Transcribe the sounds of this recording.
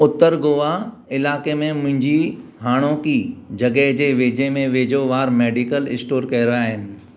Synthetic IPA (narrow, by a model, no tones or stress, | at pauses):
ʊt̪ːəɾɡoːʋa | ɪlaːkemẽmʊ̃ɦɪ̃ɲd͡ʑiɦaːɽ̃õkiːd͡ʑɐɡəɦd͡ʑeːʋeːd͡ʑemẽʋeːd͡ʑoʋaːɾmeːɖikəlɪ̰sʈoːɾkɐɦɪɾaaːɦɪnɪ̆